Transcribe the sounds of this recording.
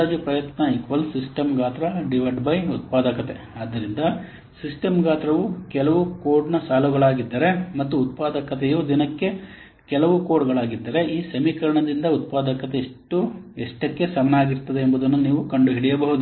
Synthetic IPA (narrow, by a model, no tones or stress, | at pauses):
aːd͡ʒipɾɐjɐt̪nɐikʋɐlsisʈɐmɡaːt̪ɾɐɖiʋɐɖbɐjut̪̚paːd̪ɐkɐt̪e̞̰ | aːd̪ːɐɾind̪ɐ | sisʈɐmɡaːt̪ɾɐʋukɛlɐʋukoːɖnɐsaːluɡɐɭaːɡid̪ːɐɾe̞mɐt̪ːuːt̪̚paːd̪ɐkɐt̪ɛjoːd̪inɐkːe̞ | kɛlɐʋukoːɖɡɐɭaːɡid̪ːɐɾe̞ʔiːsɐmikɐɾɐɳɐd̪ind̪ɐut̪̚paːd̪ɐkɐt̪eːʂʈːueʂʈɐkːe̞sɐmɐnaːɡiɾt̪ɐd̪eːmbud̪ɐnːuniːʋukɐɳɖuɦiɽijɐbɐɦud̪u